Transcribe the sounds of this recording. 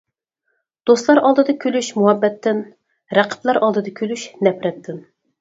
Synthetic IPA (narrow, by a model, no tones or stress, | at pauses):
d̪̥oslˠɑɾɑlˠd̪ɨd̪ɑkʲʰølyʃmuhɛbːɛt̪ʰːɪn | ɾæqʰə̥plˠɑɾʔɑlˠd̪ɨd̪ɑkʲʰølyʃnɛpɾɛt̪ʰːɪn